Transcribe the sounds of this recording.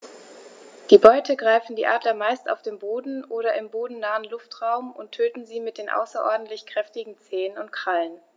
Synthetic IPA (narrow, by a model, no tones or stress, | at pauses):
d̥iːbɔʏtʰəɡʁaɪfn̩diːʔaːdlɐmaɪsta̰ʊfd̥eːmboːdn̩ʔoːɾɐʔɪmboːdn̩naːənlʊftʁaʊmʔʊntʰøːtn̩ziːmɪt̚d̥eːnʔa̰ʊsɐʔɔɐdn̩tlɪçkʁ̥ɛftɪɡŋ̩t͡seːənʊnt̚kʁ̥alən